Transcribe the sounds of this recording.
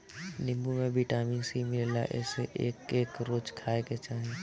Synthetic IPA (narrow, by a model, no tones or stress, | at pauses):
nɪ̃mbumẽbʱiʈaːmĩŋsimɪlela̰ʔɛ̰ːseʔeːkeːkɾoːd͡ʒkʰaːeket͡ʃaːɦẽ